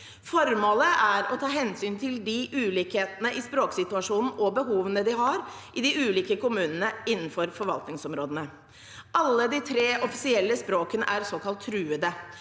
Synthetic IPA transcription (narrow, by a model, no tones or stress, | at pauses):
fɔɾmoːləʔæɾɔt̪ʰɑːɦɛnsyːnt̪ʰɪld̪ɪʔʉːliːkheːt̪nəʔɪspɾoːksɪt̪ʉɑʂuːnn̩ɔbəɦuːʋənəd̪ɪɦɑɾʔɪd̪ɪʉːliːkəkʊmʉːnənəɪnːn̩fɔɾfɔɾʋɑ̰lt̪nɪŋsɔmɾoːd̪ənə | ʔɑlːəd̪ɪt̪ʰɾeːʔɔfɪsɪɛlːəspɾoːkənəʔæɾsoːkʰɑlt̪ʰːɾʉːəd̪ə